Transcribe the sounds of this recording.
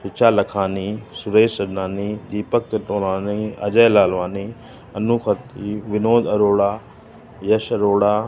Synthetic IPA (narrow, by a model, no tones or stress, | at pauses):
ɦɪt͡ʃʰaːlɐkʰaːniːsʊɾeːsɐɾnaːniːd̪iːpɐk̚t̪ɐʈoːlaːniɐ̰d͡ʒəjlaːlʋaːniː | ɐnuxʰɐt̪iʋɪnoːd̪ɐɾoːɽaː | jɐʃɐɾoːɽaː